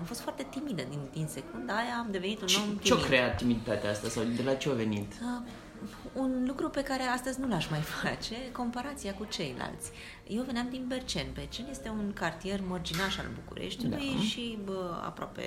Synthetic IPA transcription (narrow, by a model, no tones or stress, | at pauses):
amfost̪foart̪e̞t̪imid̪əd̪ind̪inse̞kund̪aajaːmd̪e̞ve̞nit̪unt͡ʃno̞mt̪ieoik̪ɾeatt̪ːimid̪it̪at̪eaast̪asawd̪elat͡ʃeave̞nit̪ə | unlukɾupe̞kaɾe̞ast̪əzʲnulaʃmajfat͡ʃe̞ko̞mpaɾat̪siakut͡ʃe̞jla̰lt̪sʲ | jewvenamd̪inbert͡ʃe̞nbert͡ʃenje̞st̪e̞unkart̪ije̞rmord͡ʒinaʃa̰lbukṵɾʔḛʃt̪id̪ujʃiəa̰pɾoa̰pḛ